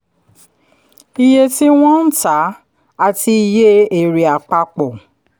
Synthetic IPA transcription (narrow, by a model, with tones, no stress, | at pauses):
i˧je˧ti˦w̃ɔ̃˦n̩˦ta˨˦ | a˧ti˧i˧je˦e˨ɾi˨a˨k͡pa˧k͡pɔ˨